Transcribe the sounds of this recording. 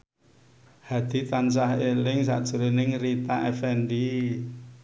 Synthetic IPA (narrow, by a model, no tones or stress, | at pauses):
had̪̥i̤t̪ansaɦelɪŋsa̰ʔd̥ʒ̥ṳɾinɪŋrit̪aʔɛfɛnɖi